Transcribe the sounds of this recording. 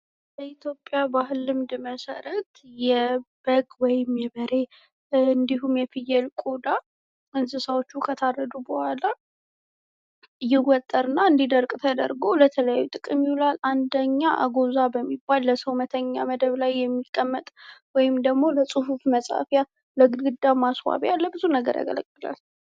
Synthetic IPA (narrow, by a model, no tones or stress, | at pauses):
bəʔit̪ʰjo̞pʼːjabaɦɨlɨmd̪ɨməsə̰ɾət̪jɛb̥əɡwɔjɪmjɛbəɾe̞ | ɨnd̪iɦumjɛfɨjɛlkʼod̪a | ɨnzɨsawot͡ʃːukʰət̪ʰarːəd̪ubəhʷala | ɨjːɛwɔt̪ʼːəɾɨnːaɨnd̪id̪əɾkʼt̪ʰəd̪ə̰ɾɡo̞lət̪ʰələja̰jːut̪ʼɨkʼɨmjiwlaland̪əɲːaʔa̰ɡozabəmːibːalːəsəwmət̪ʰəɲːa̰məd̪əβlajːɛmːikʼːəmːət̪ʼwɔjɪmd̪əɡmo̞ləsʼɨhufməsʼa̰fja | ləɡɨɡɨd̪ːamaswa̰βalːəbɨzunəɡə̰ɾja̰ɡə̰lə̰kʼːɨla̰l